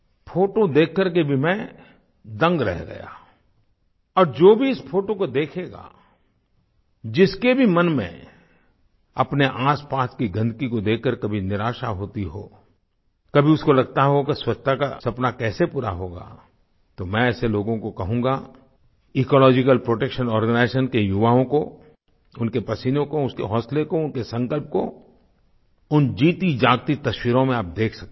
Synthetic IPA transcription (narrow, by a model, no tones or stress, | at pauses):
fʰoːʈod̪eːkʰːəɾkebʱimɛ̃ | d̪ɐ̃ŋɡɾɛ̰ɦɡɐ̰ja̰ː | ɔːɾd͡ʒoːbʱiɪspʰoːʈokod̪eːkʰeːɡa̰ː | d͡ʒɪskebʱimɐnmḛ̃ | ɐpneʔaːspaːskiɡɐ̃nd̪kikod̪eːkʰːəɾkɐbʱinɪɾaːʃaɦoːt̪iɦo̰ː | kɐbʱiʊskolɐɡ̚t̪aɦokeswɐt͡ʃt̪ʰaka̰sɐpnakɛːsepuːɾaɦoːɡa̰ː | t̪omɛ̃ɛːseloːɡõkokɐɦũːŋɡa | iːkɔːlɔːd͡ʒɪkəlpɾoːʈeːkʃənɔːɾɡənaɪsənkejʊʋaːõko | ʊnkepɐsiːnõkoʊskḛɦɔːslekoʊnkesɐ̃ŋkəlp̚ko̰ | ʊnd͡ʒiːt̪id͡ʒaːɡt̪it̪ɐʃwiːɾõmẽaːp̚d̪eːkʰsɐk̚